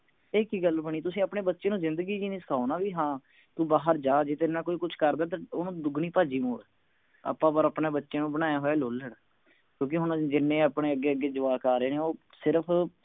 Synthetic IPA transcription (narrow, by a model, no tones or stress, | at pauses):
eːkiːɡəlbəɳ̃iːt̪ʊsĩːəpɳeːbətːʃẽːnũːzɪ̃nd̪əɡiːd͡ʒiːnĩːsə̥kʰaːnaːʋiːɦãː | t̪uːbaːɦəɾd͡ʒaːd͡ʒeːt̪eːnãːkoːiːkʊt͡ʃʰkəɾd̪aːt̪̬aːoːnũːd̪ʊɡniːpaːd͡ʒiːmoːɽ | ə̰pːãːpəɾəpɳeːbətːʃẽːnũːbəɽ̃ãːjaːɦoːɛːloːlːəɽ | kjõːk̬ɪɦʊnd͡ʒɪnːẽːapɳeːəɡːeːəɡeːd͡ʒʊʋaːkaːɾeːneːoː | sɪɾəpʰ